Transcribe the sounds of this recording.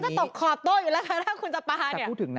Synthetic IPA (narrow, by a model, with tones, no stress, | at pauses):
nt͡ɕa˨˩t̪o˨˩kʰɔː˨˩t̪ːoː˥˩juː˨˩ɛː˦˥wkʰaː˧˩t̪ʰaː˥˩kʰu˧nt͡ɕa˧paː˧˨nː˧˩˨t̪ʰɯ˩˦na˦˧